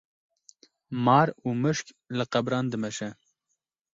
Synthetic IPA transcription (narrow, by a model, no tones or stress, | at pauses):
mɑːɾuːmɨʃk | lɨqæbɾɑːnd̪ɨmɛʃɛ